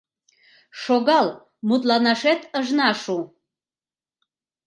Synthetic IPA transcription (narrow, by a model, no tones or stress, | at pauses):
ʃoɣɑl | mut̪̬lɑnɑʃet̪əʒnɑʃu